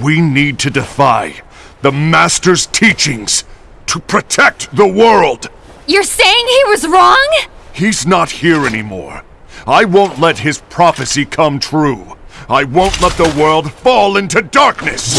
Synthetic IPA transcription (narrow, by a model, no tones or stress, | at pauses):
winid̚tʰɨdɨfaɪ | ðəmæstə˞z̥tʰit͡ʃɪ̃ŋz̥ | tʰəpʰɹ̥ɨtʰɛk̚t̪̚ðəwɜ˞lˠd̥ | jə˞seɪɪ̃ŋiwʌzɹɔ̃ŋ | hiznət̚hiɹɛnḭmɔ̰ɹ | aɪwõʊ̃nʔˡlɛt̚hɨz̥pʰɹ̥ɑfɨsikʰʌ̃mt̪ʰɹuaɪwõʊ̃nʔˡlɛt̪̚ðəwɜ˞lˠd̥fɔlˠɪ̃ntʉdɑɹknɨ̰s